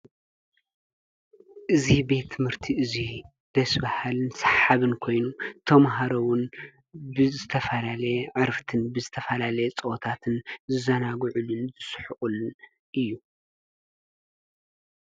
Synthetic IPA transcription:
ʔɨzibe̞t̪ʰːɨmhɨɾt̪ʰiʔɨzi | d̪̥ɐsbahalɨnsaħaβɨnkʰo̞jnut̪ʰɐmɦaɾowʊn | bɨzɨt̪ʰɐfɐlalɐjʕɨɾft̪ʰɨnbɨzɨt̪ʰɐfɐlalɐjet͡sʼɐwot̪ʰat̪ʰɨnzɨzɐnaɡʕulɨnzɨsħɨχʼulːɨn | ʔɨjːu

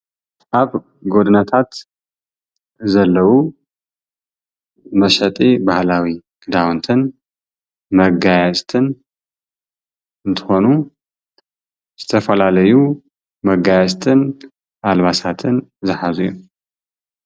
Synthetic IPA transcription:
ʔaβ | ɡo̞d̪ɨnat̪ʰat̪ | zɐlːɐwu | mɐʃɐt̪ʼibahlawi | ɡɨd̪awnt̪ʰɨn | mɐɡajɛsʼt̪ʰɨn | ɨnt̪ʰɨ̥xo̞nu | z̥ɨt̪ʰɐfɐlalɐju | mɐɡajɛsʼt̪ʰɨn | ʔalβasat̪ʰɨnzɨħazuju

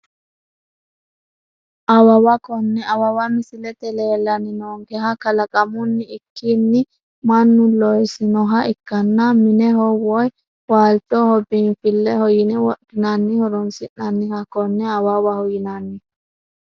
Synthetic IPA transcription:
ʔɐwɐwɐkɔnːɛɐwɐwɐmɪsɪlɛt̪ɛleːlːɐnɪnoːŋɡɛɦɐkɐlɐkʼɐmʊnːɪɪkːinːɪ | mɐnːʊlɔjsɪnɔɦɐɪkːɐnːɐmɪnɛhɔwɔj | waːlt̪ɔhɔbiːnfɪlːɛhɔjɪnɛwɔɗːɪnɐnːɪhɔɾɔnsɪʔːɐnːɪhɐkɔnːɛɐwɐwɐhɔjɪnanːɪ

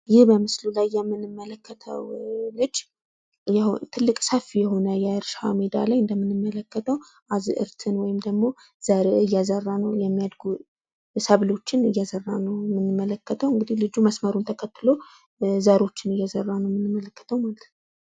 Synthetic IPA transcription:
jɪhbəmɨslulajːɛmːɨnɨmːələkʰːət̪ʰə̰wlɨd͡ʒ | jɛt̪ʰɨlːɨkʼsəfijɛho̞nəjɛɨɾʃa̰med̪a̰lajɨnd̪əmːɨnːɨmːələkːət̪ʰəw | ʔazɨʔɨ̰ɾt̪ʰɨnwɔjɪmd̪əɡmo̞ | z̥aɾeɨjːazərːanəwjɛmːijad̪ɡu | səβlo̞t͡ʃːɪnɨjːazərːanəwmɨnːɨmːələkːət̪ʰəwɨŋɡɨd̪ihlɨd͡ʒuməsməɾunt̪ʰəkʰət̪ːɨlo̞ | zaɾo̞t͡ʃːɪnɨjːazərːanəwmɨnːɨmːələkːə̥t̪ʰəwmalət̪ʰn

